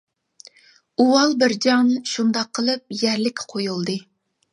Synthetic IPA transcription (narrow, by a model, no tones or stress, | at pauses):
uwɑlˠbɪɾd͡ʒɑŋnʃund̪ɑqʰːəlˠɨp̚jæɾlɪkʲʰːɛ̥qʰojulˠd̪ɨ